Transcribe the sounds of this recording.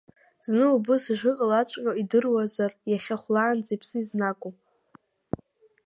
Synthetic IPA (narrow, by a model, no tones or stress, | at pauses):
znɨubɨsɨʐɨkʼalat͡ɕʷʰʼqʲʷʼaidɨrwazarjaχʲaχʷlaːnd͡zipʰsɨiznakʼu